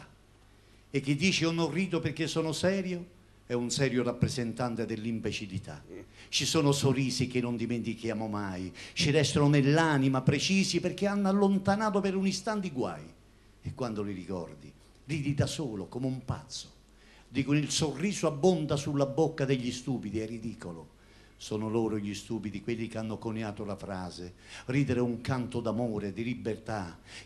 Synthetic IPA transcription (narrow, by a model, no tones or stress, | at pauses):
ek̟ːid̪ːiːt͡ʃionoriːt̪̬operk̟ːesoːnʊsɛːɾjo | ɛunsɛːɾjʊrapːɾezent̪ant̪ed̪ɪlːimbet͡ʃilit̪ʰa̰t͡ʃisoːnʊsoriːsikɪnːʊnd̪iment̪ikjaːmomajt͡ʃiɾɛst̪onʊnelːaːnimapɾet͡ʃiːsiperk̟eanːalːont̪anaːt̪opeɾunist̪ant̪iɡwa̰j | ekwand̪oliɾikɔ̰rd̪i | riːd̪id̪asoːlokomeumpa̰t̪sːo̥ | d̪ikʊnilsorːiːzoabːond̪asulːabokːad̪eʎːist̪uːpid̪iɛrːid̪iːkolʊ | sɔːnoloːɾʊʎist̪uːpid̪ikwelːikeanːokoneaːt̪olafɾaːzeriːd̪eɾeuŋkant̪ʊd̪amɔːɾed̪ilibːert̪a